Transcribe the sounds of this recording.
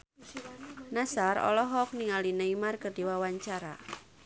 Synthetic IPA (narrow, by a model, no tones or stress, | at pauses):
nasaɾɔ̰lɔɦɔk̚niŋalinəimarkərdiwawaɲt͡ʃaɾa̰